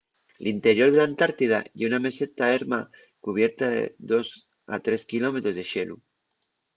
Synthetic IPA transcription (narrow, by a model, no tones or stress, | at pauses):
lint̪eɾjoɾð̞elant̪aɾt̪ið̞a̰jeuname̞set̪aeɾma | kuβ̞jeɾt̪aðḛðos | a̰t̪ɾeskilomet̪ɾozðeʃelṵ